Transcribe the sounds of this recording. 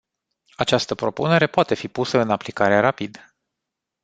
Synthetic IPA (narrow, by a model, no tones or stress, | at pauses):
at͡ʃast̪əpɾo̞pune̞ɾe̞poat̪e̞fipusəɨnaplikaɾeaɾapid̪